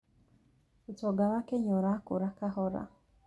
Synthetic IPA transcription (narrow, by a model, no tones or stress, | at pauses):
utɔɡawakɛɲɔɾakuɾakaɦɔɾa̰